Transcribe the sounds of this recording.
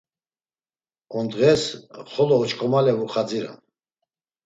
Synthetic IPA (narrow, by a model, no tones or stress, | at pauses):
ɔnd̪ʁɛsχɔlɔːt͡ʃkʰʼɔmalɛvuχad͡ziɾa̰n